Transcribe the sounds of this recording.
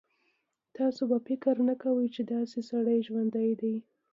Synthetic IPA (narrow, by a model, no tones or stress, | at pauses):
t̪ɑsobafɪkəɾnakawəjt͡ʃed̪ɑsesaɽəjʒwand̪ajd̪aj